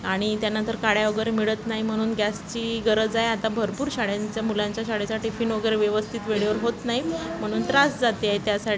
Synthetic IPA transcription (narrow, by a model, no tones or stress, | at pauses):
aɽ̃it̪janənt̪əɾkaɽjaʋəɡəɾemiɭət̪naɦim̤əɽ̃uːnɡæst͡ɕiːɡəɾəd͡zajat̪abʱəɾpuːɾɕaɽjaɲt͡ɕjamulaɲt͡ɕjaɕaɽet͡saʈifiːnʋəɡəɾeʋjəʋəst̪ʰiːt̪ʋeɭiʋəɾɦot̪naɦim̤əɽ̃uːnt̪ɾasd͡zat̪eajet̪jasaʈʰi